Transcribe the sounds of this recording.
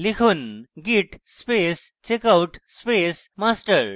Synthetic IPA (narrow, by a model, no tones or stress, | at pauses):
likʰunɡiʈspeːs | t͡ʃekawʈspeːsmaːsʈəɾ